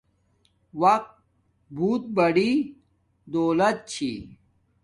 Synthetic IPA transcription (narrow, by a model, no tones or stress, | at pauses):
wɐq̚t̪̚ | bʱuːt̪̚bɐɽi | d̪oːlɐt̪̚t͡ɕʰḭ